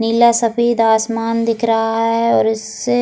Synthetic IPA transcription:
niːlasɐfiːd̪aːsmaːnd̪ɪkʰɾɐɦaɦɦɛɔːɾɪs | e

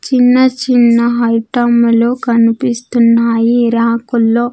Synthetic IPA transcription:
t͡ʃinːɐt͡ʃinːɐɦɐjʈɐmloːkɐnipist̪unːaːjiɾaːkulːo̞ː

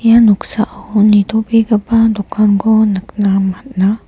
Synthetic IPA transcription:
januksaʔanit̪obiɡabad̪ukʰanɡɔnəknamat̪̚na

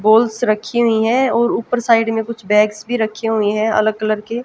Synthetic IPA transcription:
boːlsɾɐkʰːiɦʊiɦɛ̃ɔːɾuːpəɾsaːɪɖmẽkʊt͡ʃʰbɛ̃ːɡsbʱiɾɐkʰiɦʊiɦɛ̃ɐ̰ləɡ̚kələɾke

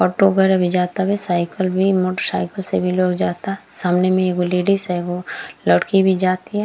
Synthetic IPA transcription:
ɔːʈoɡəɾabʱid͡ʒaːt̪abɛsaːɪkəlbʱimoːʈəɾsa̰ːɪkəlsebʱiloːkd͡ʒaːt̪aɦɛsaːmnemẽeːɡoleːɖiseeɡoləɽkibʱid͡ʒaːt̪iɦɛ

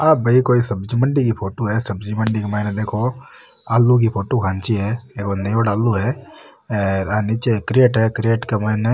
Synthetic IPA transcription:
aːbʱɐikoːisɐbd͡ʒməɳɖik̬ipʰoːʈoɦɛsɐbd͡ʒməɳɖikemɐɦned̪eːkʰo | aːlːuk̬ipʰoːʈokʰãːnt͡ʃiɦɛːekonɐjoːɽaːlːuɦɛ | ɾanit͡ʃekɾeːʈɦɛkɾijeːʈkemɐɪne

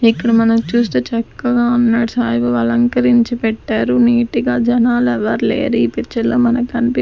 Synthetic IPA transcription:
ikːɐɽɐmɐnɐmt͡ʃuːst̪eːt͡ʃɐkːɐɡaːunːaːɽusaːjbɐʋɐlɐŋkɐɾiɲt͡ʃipɛʈːaːɾuniːʈiɡaːd͡ʒɐnaːlɛʋɐɾlḛːɾiːpit͡ʃɐlːoːmɐnɐkɐnpi

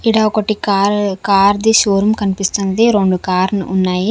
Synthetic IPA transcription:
iɽaːɔkɐʈikaɾkaːɾd̪iʃoːɾumkɐnipist̪und̪iɾoɳɖukaːɾnunːaːji

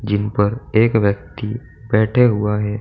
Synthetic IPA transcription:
d͡ʒɪnpɐɾeːkʋjək̚t̪i | bɛːʈʰeɦʊaɦɛː

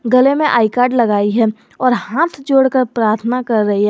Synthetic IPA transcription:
ɡɐlemẽʔaːikaːɾɖlɐɡaːiɦɛː | ɔːɾhãːt̪ʰd͡ʒoːɽkəɾpɾaːɾt̪ʰənakɐɾːɐɦiɦɛː

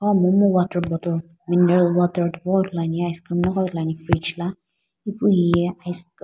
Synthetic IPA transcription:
ɔmɔ̃mɔ̃watabɔtɔ | mĩnɛɾɔlwataɾdwɔdlanĩajiskɾimnɔ̃kɔlanĩfɾid͡ʒla | ipuijɛajsk

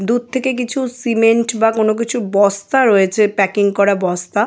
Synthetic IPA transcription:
d̪ud̪̚t̪ʰekek̬it͡ɕʰusimeɳʈbakonok̬it͡ɕʰubɔst̪aɾoet͡ɕʰepɛkiŋkɔɾabɔst̪a

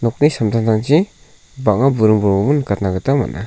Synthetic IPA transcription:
nɔk̚nisamtʰantʰaŋt͡ʃi | baʔŋŋabuɾɯŋbɔɾmɔbɯnːɯkat̚naɡɯtama̰na

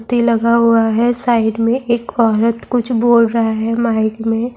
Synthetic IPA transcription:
t̪ilɐɡaɦuaɦɛsaːɪɖmẽʔeːkɔːɾət̪kʊt͡ʃʰboːlɾɐɦaɦɛmaːɪkmẽ

